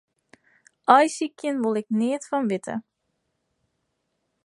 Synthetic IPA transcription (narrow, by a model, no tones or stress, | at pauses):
ʔɔjsikʰjənʋolˠɛknɪətfɔnʋɪtʰə̰